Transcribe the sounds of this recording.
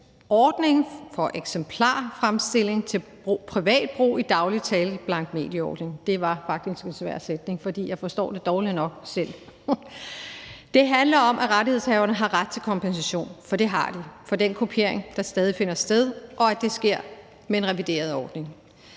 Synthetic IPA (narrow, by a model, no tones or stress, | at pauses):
ɒːd̥ne̝ŋfɒ̽ʔeɡ̥sempʰlɑ̰̈ːfʁamsd̥e̝l̰e̝ŋt͡sʰe̝lb̥ʁoːpʰʁiʋɛ̰ːd̥̚b̥ʁṵːid̥ɑ̈ʊlit͡sʰɛːlb̥lɑ̈ŋ̰ɡ̥me̝̰ːd̥jəɒ̰ːd̥ne̝ŋd̥e̝ʋɑ̈fɑ̈ɡ̥̚d̥isɡ̥e̝nsʋæ̰ɐ̰sed̥ne̝ŋfɒ̽d̥ḭːjɑ̈ɪfɒ̽sd̥ɒ̰ːd̥e̝d̥ɒːlinɒ̽ɡ̥sel̰ | d̥e̝ɦænlɐɒ̽mʔæʁaɾie̝ð̞̰ˠshɛːʊɐnəɦɑ̈ʁad̥̚t͡sʰe̝lkʰɒ̽mpʰensæɕo̝̰ːnfɒ̽d̥e̝ɦɑ̈d̥ifɒ̽d̥en̰kʰo̝pʰe̝ɐ̰eŋd̥ɑ̈sd̥ɛːð̞ˠife̝nɐsd̥eð̞ˠʔɒ̽æd̥e̝sɡ̥e̝ɐ̰ | meenʁɛʋid̥e̝̰ːɐð̞ˠɒːd̥ne̝ŋ